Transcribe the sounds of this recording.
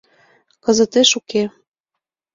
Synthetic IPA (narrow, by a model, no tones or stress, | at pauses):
kɤ̆zɤ̆t̪eʃuke